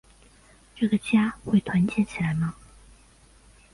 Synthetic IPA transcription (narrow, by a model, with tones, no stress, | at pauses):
ʈ͡ʂɤ˥˩ɡə˩˨t͡ɕja˥xwe˥˩ɪt̪ʰwa˧˥nt͡ɕjɛ˥˨nt͡ɕʰi˧˥la˨˧˥ɪma˥˨ŋ